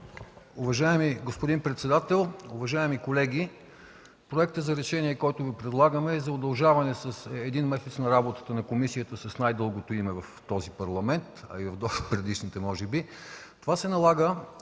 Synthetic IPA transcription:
ʊvɐʒaɛmiɡospod̪inpɾɛt̪sɛd̪at̪ɛlˠʊvɐʒaɛmikolɛɡʲi | pɾoɛk̚t̪əzɐɾɛʃɛniɛkɔjt̪ʊvipɾɛd̪lˠaɡəmɛːzɐod̪ɐlˠʒavɐnɛsɐsɛd̪inmɛsɛt̪snɐɾabot̪ə̥t̪ənɐkomisijət̪əsɐsnajd̪ɤlˠɡot̪oimɛvɐft̪ɔzipɐɾlˠɐmɛnt̪ɐ̰ivɐvd̪opɾɛd̪iʃnit̪ɛmɔʒɛbi | t̪ovasɛnɐlˠaɡə

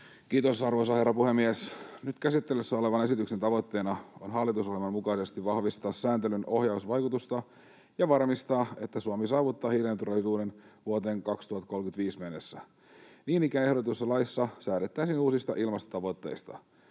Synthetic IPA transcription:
kiːt̪osɑrʋoisɑherːɑpuhemːiesnyt̪kæsit̪ːelysːæo̞leʋɑne̞sit̪yksent̪ɑʋo̞t̪ːe̞ːnɑonɦɑlːit̪usohjelmɑnmukɑisest̪iʋɑhʋist̪ɑːsːæːnt̪elyno̞hjɑusʋɑjkut̪ust̪ɑ | jɑʋɑrmist̪ɑːet̪ːæsuɑmisɑːʋut̪ːɑːhiljɑnt̪urɑlisuːdenʋuot̪eːŋkɑkst̪uhɑt̪ko̞lkyt̪ʋiːsmenːesːæ | niːnikæne̞hɾot̪usɑlɑisːɑsæːɾet̪ːæːsiːnuːsist̪ɑʔilmɑst̪ŏ̥t̪ɑʋo̞t̪ːe̞̰ist̪ɑ̰

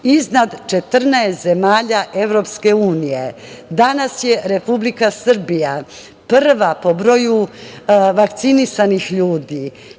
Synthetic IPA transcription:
iznad̪t͡ʃe̞t̪rnaest̪ze̞maːʎaʔe̞ʋɾo̞pske̞uːnije̞ | d̪anasje̞ɾe̞publikasr̩bija | prʋapo̞bɾo̞ju | ʋakt̪sinisanixʎuːd̪i

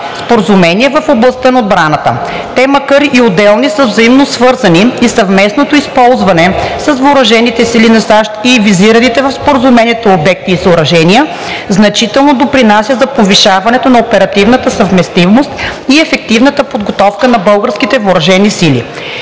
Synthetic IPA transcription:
spoɾəzumɛniɛvəfoblˠɐst̪ənɐod̪bɾanət̪ə̰ | t̪ɛməkəɾiʔiod̪ɛlˠnisəvzɐimnosvɤɾzɐniisɐvmɛsnot̪oispɔlˠzvɐnɛsəsvʊɾɐʒɛnit̪ɛsilinɐsaʃt̪iviziɾənit̪ɛvɐfspoɾəzumɛniɛt̪oobɛk̚t̪iːsʊɾɐʒɛniə | znɐt͡ʃit̪ɛlˠnod̪opɾinasʲjəzɐpoviʃavɐnɛt̪onɐopɛɾɐt̪ivnət̪əsəvmɛst̪ivmost̪iɛfɛk̚t̪ivnət̪əpod̪ɡot̪ɔfkənɐbɤlˠɡəɾskit̪ɛvoɾɐʒɛnisilḭ

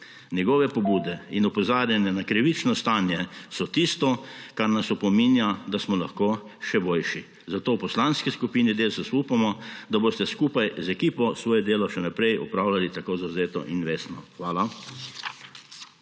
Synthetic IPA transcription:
njɛɡɔːʋɛpɔbuːd̪ɛinɔpɔzaːɾjanjɛnakɾiʋit͡ʃnɔst̪aːnjɛsɔt̪ist̪ɔkaɾnasɔpɔminjad̪asmɔlaxkoː | ʃɛboːlʃi | zat̪oːwpɔslanskiskupiːnid̪eːlsɛsuːpamɔd̪aboːst̪ɛskuːpajzɛkiːpɔsʋɔːjɔd̪eːlɔʃɛnapɾɛjɔ̰pɾaːwlalit̪akoːzawzeːt̪ɔ̰ʔinʋeːsnɔxʋaːla

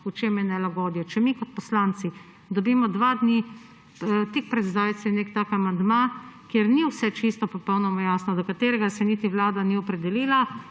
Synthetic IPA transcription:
ut͡ʃemjɛnɛlaɡɔd̪jɔt͡ʃɛmikɔt̪̚pɔslant̪si | d̪ɔbimɔd̪ʋad̪ni | t̪ik̚pɾɛd̪zd̪aːjt̪sɛnekt̪aːkamand̪makjeɾniwsɛt͡ʃist̪ɔpɔpɔwnɔmajasnɔd̪ɔkat̪eːɾɛɡasɛnit̪iʋlaːd̪aniɔpɾɛd̪ɛliːla

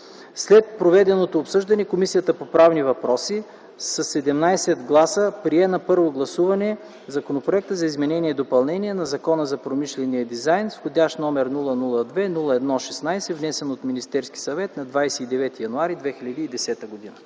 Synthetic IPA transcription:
slɛt̪̚pɾovɛd̪ɛnot̪oːpsɤʒd̪ɐnɛkomisijət̪əpopɾavnivɐpɾɔsi | sɐsːɛd̪ɛmnajsɛd̪ɡlˠasəpɾiɛnɐpɤɾvoɡlˠɐsuvɐnɛ | zɐkonopɾoɛk̚t̪əzɐizmɛnɛniɛid̪opɐlˠnɛniɛnɐzɐkɔnəzɐpɾomiʃlɛniəd̪izajnsxod̪ʲaʃt̪nɔmɛɾnulˠənulˠəd̪vɛnulˠəɛd̪nɔʃɛsnajsɛvnɛsɛnot̪minist̪ɛɾskʲi̥sɐvɛt̪nɐd̪vajsɛid̪ɛvɛt̪ijɐnuaɾid̪vɛxiʎʲɐd̪iːd̪ɛsɛt̪əɡod̪inə

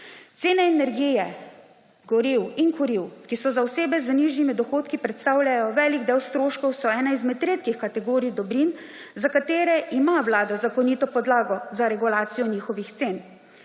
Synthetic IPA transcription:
t̪seːnɛɛnɛɾɡiːjɛ | ɡɔɾiwinkɔɾiwkisɔzawseːbɛzəniːʒnimid̪ɔxoːt̪kipɾɛt̪st̪aːwljajɔʋɛːliɡd̪eːwst̪ɾoːʃkɔwsɔɛːnaizmɛt̪ːɾeːt̪kixkat̪ɛɡoːɾid̪ɔbɾin | zakat̪eːɾɛʔimaʋlaːd̪azakɔniːt̪ɔpɔd̪laːɡɔzaɾɛɡulaːt̪sijɔniːxɔʋixt̪seːn

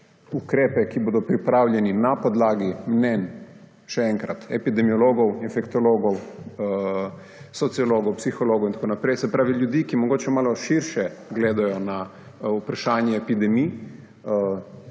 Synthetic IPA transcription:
ukɾɛːpɛkiboːd̪ɔpɾipɾaːwljɛninapɔd̪laːɡimnɛn | ʃɛɛŋkɾat̪ɛpid̪ɛmijɔloːɡɔwinfɛkt̪ɔloːɡɔw | sɔt̪sijɔloːɡɔwpsixɔloːɡɔowint̪ḁkoːnapɾɛjsɛpɾaːʋiljud̪ikimɔɡoːt͡ʃɛmaːlɔʃiɾʃɛɡleːd̪ajɔna | upɾaʃaːnjɛːpid̪ɛmi

